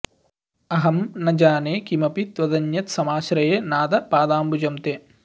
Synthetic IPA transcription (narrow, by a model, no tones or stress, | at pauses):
ɐɦɐmnɐd͡ʒaːneːkimɐpit̪ʋɐd̪ɐɲjɐt̪sɐmaːʃɾɐjeːnaːd̪ɐpaːd̪aːmbud͡ʒɐmt̪eː